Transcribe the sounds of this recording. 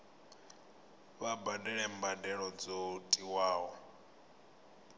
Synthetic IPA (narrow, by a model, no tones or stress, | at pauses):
βabadɛɺɛmbadɛɺɔd͡zotʼiwaːɦɔ